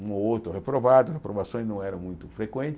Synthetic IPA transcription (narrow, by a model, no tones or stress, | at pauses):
ũoowt̪ɾʊhepɾovad̪ʊhepɾovasõj̃znɐ̃w̃ɛɾɐ̃mũj̃t̪ʊfɾekwẽnt̪ɪ